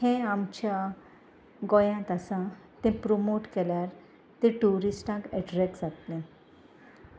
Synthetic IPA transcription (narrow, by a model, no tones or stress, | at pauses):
hẽamt͡ɕja | ɡɔjãt̪asã | t̪ɛ̃pɾomoʈkɛljaɾ | t̪ẽʈuɾisʈãkɛʈɾɛkd͡zat̪lẽ